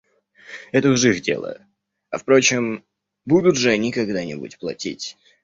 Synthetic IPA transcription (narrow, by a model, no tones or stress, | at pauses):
ɛt̪əʊʐɨxdʲḛlˠə̰ | ɐfpɾo̞t͡ɕɪm | bud̪ʊt̪ʐɨnʲɪkɐɡd̪anʲɪbṵtʲplˠɐ̰tʲitʲ